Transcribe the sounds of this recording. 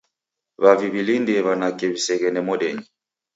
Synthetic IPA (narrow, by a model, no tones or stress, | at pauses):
βaviβilindɛβanakɛβisɛɣɛnɛmɔɗɛɲi